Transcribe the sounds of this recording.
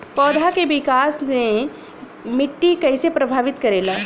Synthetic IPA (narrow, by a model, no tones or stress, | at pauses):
pɔːd̪ʱakeʋɪkaːsne | mɪʈːikɐɪsepɾɐbʱaːʋɪt̪kɐɾeːlaː